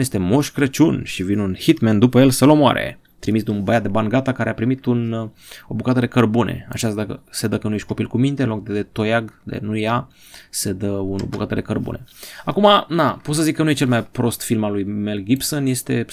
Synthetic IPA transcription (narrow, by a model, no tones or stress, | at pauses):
je̞st̪emoʃkɾət͡ʃunʃivinunhit̪mend̪upəje̞lsəlo̞moa̰ɾḛ | t̪ɾimisd̪umbəjat̪̚d̪ebanɡat̪akaɾeapɾimit̪un | o̞bukat̪əd̪e̞kərbune̞̰a̰t͡ʃasd̪akəse̞d̪əkənuje̞ʃʲtʲko̞pilkumint̪e̞lo̞k̚d̪eet̪o̞jaɡd̪ḛnuja | se̞d̪əuno̰bukat̪əd̪e̞kərbṵne̞̰akumanapot̪səzikːənuje̞t͡ʃelmajpɾo̞st̪filmalujmelɡʲipsonje̞st̪e̞